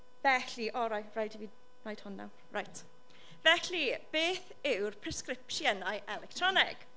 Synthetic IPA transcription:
vɛɬiʔɔɾajrajdiviː | najd̥hʊnːa̰w | rajtʰ | vɛɬib̥eːθ | ɪwrpʰr̥ɛskrɪpʃjənajʔɛlɛk̚tʰr̥ɔnɪ̰ɡ̥

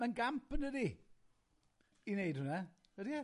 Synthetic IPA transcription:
ənɡampʰənədi | inejdhʊna | ədia

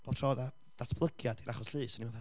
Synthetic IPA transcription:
b̥oːbtʰrɔːða | d̥atʰb̥lˠəɡjadiɾaχɔsɬɨːsɔniwaθa

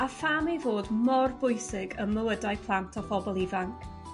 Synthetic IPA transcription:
afamejvoːdmɔrbʊjsɪɡəməwədajpʰlˠantʰɔfɔbɔlˠivaŋkʰ

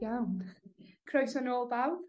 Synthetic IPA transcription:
jawnkʰrɔjsənoːlˠbawð

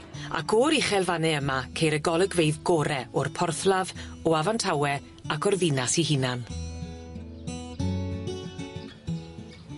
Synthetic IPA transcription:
a̰kʰɔɾɪχɛlˠvanɛəmakʰejɾəɡɔlˠəɡwejðɡɔɾɛɔrpʰɔrθlˠav | ɔavantʰawɛ | akʰɔrðɪnasiɦɪnan

